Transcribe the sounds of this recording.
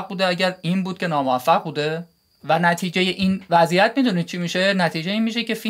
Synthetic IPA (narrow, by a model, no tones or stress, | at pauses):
buːd̪e̞æɟæɾiːnbuːd̪̥̚cʲʰe̞nɒːmoæfːæɣbuːd̪e̞ | vænæt̪ʰiːd͡ʒe̞jeʔiːnvæzijæt̪mid̪uːnid̪̚t͡ʃʰimiːʃe̞næt̪ʰiːd͡ʒeiːnmiʃ̬e̞ce̞fi